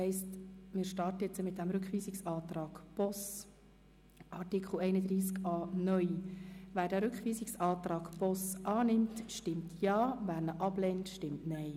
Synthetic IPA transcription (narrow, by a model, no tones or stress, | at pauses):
hɛɪstmɪːɾʃtɑːrtəjɛt͡səmɪt̪̚d̥ɛmɾʏkχʋiːsɪksɑːt̪ɾɑːɡ̥pɔs | ʔɑrtikχl̩ɛɪnəd̪ɾiːskɑːnœʏʋæːɾdæːɾʏkχʋiːsɪksɑːt̪ɾɑːɡpɔsɑːnɪmtʃtɪmtʰjɑːvæːɾnəʔɑb̥lɛntʃtɪmtnɛɪ